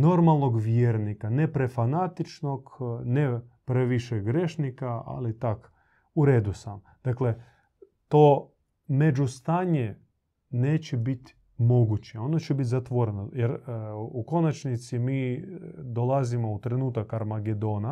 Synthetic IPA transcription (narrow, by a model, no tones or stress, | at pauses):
no̞ɾmalˠno̞ɡʋjeːɾnikanepɾefanat̪it͡ʃno̞knepɾeʋiʃeɡɾeʃnikaa̰lit̪ak | uɾeːd̪usam | d̪̥akle | t̪oː | med͡ʒust̪aːɲe | neːt͡ɕebit̪ | mo̞ɡut͡ɕeo̞not͡ɕebit̪ʲzat̪ʋo̞ɾenojeɾuko̞nat͡ʃnit̪simiːd̪o̞lˠazimo̞ut̪ɾe̞nuːt̪akaɾmaɡed̪o̞ːna